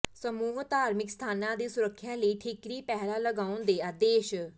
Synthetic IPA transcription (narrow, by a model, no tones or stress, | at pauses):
səmuːɦt̪aːɾmɪkst̪ʰaːnãːd̪eːsʊɾəkʰːjãːləiːʈʰikɾiːpɛɦɾaːləɡaːʊnd̪eːaːd̪eːʃ